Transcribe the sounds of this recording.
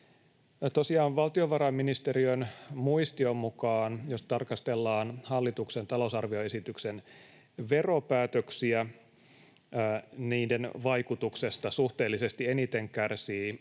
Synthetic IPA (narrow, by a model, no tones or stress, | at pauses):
t̪o̞siɑːʋʋɑlt̪io̞ʋɑɾɑmːinist̪e̞ɾiønmuist̪io̞mːukɑːnjo̞st̪ɑrkɑst̪e̞lːɑːnhɑlːit̪ukse̞nt̪ɑlo̞sɑrʋio̞e̞sit̪yksen | ʋe̞ro̞pæːt̪øksiæ | niːde̞nʋɑjkut̪ukse̞st̪ɑsuht̪eːlːise̞st̪ienit̪e̞ŋkærsiː